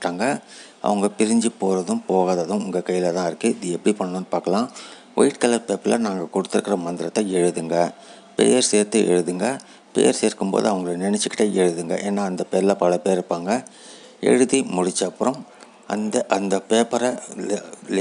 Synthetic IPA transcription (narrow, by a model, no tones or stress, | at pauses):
ʈːaːŋɡɐ | ʔɐ̰ʋɐŋɡɐpɪɾɪɲd͡ʒɯpːoːɾɐðɯmpoːɣaːðɐðɯ̃mʊŋɡɐkɐjːɪlɐt̪ãːɪɾɯkːɯɪðɯɛpːɐɽipɐɳːɐnɐnːɯpaːɾkɐlãː | ʋɐ̰ɪʈ̚kɐlɐɾpeːpːɪlɐ̰naːŋɡɐkɔɽɯt̪ːɯɾɯkːɪɾɐmɐnd̪ɪɾɐt̪ːɐɛɻɯðɯŋɡɐ | pḛjɐɾseːɾt̪ɯʔɛ̰ɻɯðɯŋɡɐ | pḛjɐɾseːɾkɯmpo̰ːðɯ̰ɐʋɐŋɡɐɭɐnɪnɛt͡ʃːɯkːɪʈːɐɛɻɯðɯŋɡɐ̰ʔeːnːaːɐnd̪ɐpeːɾɪlɐpɐlɐpeːɾɾɯpːaːŋɡɐ | ɛ̰ɻɯðimʊɽɪt͡ʃːɐpːɯɾɐm | ɐ̰nd̪ɐʔɐnd̪ɐpeːpɐɾɐ